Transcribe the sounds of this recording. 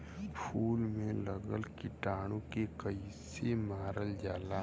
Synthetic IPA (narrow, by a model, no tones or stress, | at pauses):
pʰuːlmẽləɡəlkɪʈaːɽ̃õkekəisemaːɾəld͡ʒaːlaː